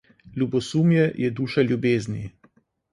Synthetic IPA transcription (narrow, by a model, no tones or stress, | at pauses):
lʲubɔsumjɛjʔɛd̪uːʃaljubeːzni